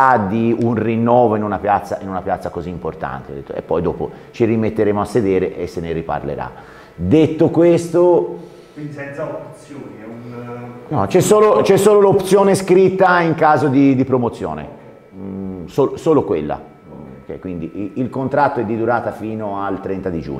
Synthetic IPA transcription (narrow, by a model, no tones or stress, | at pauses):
ad̪iunrinːɔːvoinunapjat̪sːa̰ʔinunapjat̪sːakoziːmport̪a̰nt̪ḛd̪et̪ːo̰ḛpːɔjd̪ɔːpo̰ | t͡ʃiɾimet̪ːeɾeːmoasːed̪eːɾeʔesːeneɾipa̰rlḛɾa̰ | d̪et̪ːokwest̪o | ɛnt̪saopt̪sjoːnunnɔt͡ʃɛsoːlot͡ʃɛsːoːlolopt̪sjoːneskɾit̪ːaiŋkaːzod̪id̪ipɾomot̪sːjo̰ːnḛ | soːlosoːlokwelːa̰ | kɛkwind̪iilkont̪ɾat̪ːoɛd̪ːid̪uɾaːt̪afiːnoalt̪ːɾɛnt̪ad̪id͡ʒṵɲo